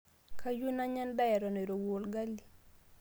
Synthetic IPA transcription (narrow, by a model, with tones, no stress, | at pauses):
ka˦ju˦na˦ɲa˦nda˦jɛ˨ɾɔ˨ne˨ɾo˨wo˨lɡa˦li˨